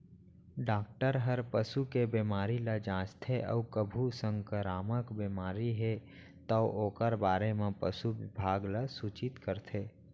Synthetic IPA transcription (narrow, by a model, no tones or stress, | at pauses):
ɖaːk̚ʈəɾɦəɾpəsukebemaːɾilad͡ʒãːt͡ʃt̪ʰeʔə̰ukəbʱusə̃ŋkəɾaːməkbimaːɾiɦe | t̪əʔoːkəɾbaːɾemẽpəsuʋɪbʱaːɡlasuːt͡ʃɪt̪kəɾt̪ʰeː